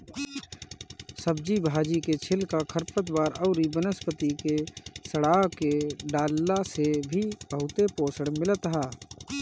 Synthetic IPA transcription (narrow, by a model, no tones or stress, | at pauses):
səb̚d͡ʒibʱaːd͡ʒiket͡ʃʰɪlkakʰəɾpət̪baːɾəʊɾibənəspət̪ikesəɽaːɦkeɖaːlːasebʱib̥əɦʊt̪epoːsəɽmɪlət̪ɦaː